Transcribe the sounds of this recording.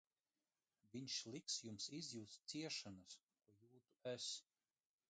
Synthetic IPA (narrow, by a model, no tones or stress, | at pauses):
vʲiɲʲʃlʲˠiksjumsizʲjuːt̪ssiɛʃanaskuɔjuːt̪uæs